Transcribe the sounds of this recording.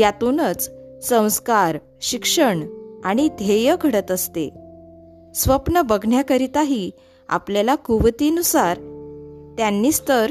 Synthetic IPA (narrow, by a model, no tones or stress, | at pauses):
jat̪unət͡ssə̃w̃skaɾ | ɕikʂəɳaɽ̃id̪ʱejəkʰəɽət̪əst̪ḛ | sʋəpnəbəɡʱɳjakəɾit̪aɦiː | a̰pljalakuʋt̪iənusaɾ | t̪janːiːst̪əɾ